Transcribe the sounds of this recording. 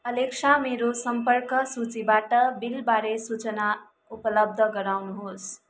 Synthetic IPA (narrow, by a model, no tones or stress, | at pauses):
ʌleksʰameɾosʌmpʌrkʌsut͡sibaʈʌbilbaɾesut͡sʌna | upʌlʌb̚d̪ʱʌɡʌɾawnuɦos